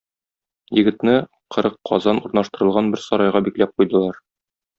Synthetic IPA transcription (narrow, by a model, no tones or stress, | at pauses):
jɘ̆ɡɘ̆t̪nɘ | qʰɤ̆ɾɤqʰːɒ̰zɑnuɾnɑʃt̪ɤ̆ɾɤ̆lˠʁɑnbɘɾsɒɾɑjʁɑbiklæp̚qujd̪ɤ̆lˠɑɾ